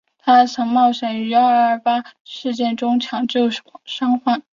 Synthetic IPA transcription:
t̪ʰa˥sʰɤ˧˥ŋmɑ˥˩ʊʂə˧˥ny˧˥a˧˥˧ə˧˥fa˥ʂɻ̩˥˧t͡ɕjɛ˥˩nʈ͡ʂʊ˥ŋt͡ɕʰjɑ˨˥ŋt͡ɕjo˥˩ʊʂʂɑ˥ŋxa˥˩n

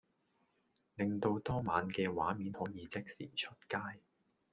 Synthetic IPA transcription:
lɪ˨ŋt̪o˧wt̪ɔː˥maː˨˥nkɛː˧wa̰ː˨˥miː˨˥nhɔː˨˥jiː˨˧t͡sɪ˥k̚sḭː˨˩t͡ʃʰɵ˥t̚kaː˥j

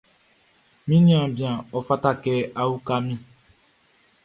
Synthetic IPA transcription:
mĩ˦nĩ˦ã˨bi˨ã˨ɔ˨fa˦ta˦kɛ˦a˦wu˦ka˦mĩ˦

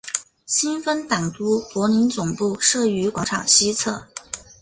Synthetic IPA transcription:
ɕi˥nfə˥nt̪a˨˩ŋt̪u˥pwɔ˧˥ni˧˥nt͡sʊ˨˩ŋpu˥˩ʂɤ˥˩y˧˥kwɑ˧˥ŋʈ͡ʂʰɑ̰˨˩ŋɕi˥t͡sʰɤ˥˩

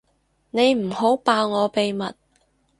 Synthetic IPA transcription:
ne˨˧jm̩˨˩ho˨˥wpaː˧wŋɔː˨˧pe˨jmɐ˨t̚

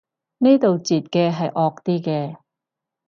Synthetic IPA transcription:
ne˥t̪o˨wt͡siː˨t̚kɛː˧ɦɐ˨jʔɔː˧k̚t̪iː˥kɛː˧

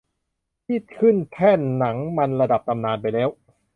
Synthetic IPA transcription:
pʰiː˥˩t̪̚kʰɯ˥˩nt̪ʰɛː˥˩nːa˩˦ŋma˧nɾa˧da˨˩p̚t̪ʰa˧mnaː˧npa˧jlɛː˦˥w

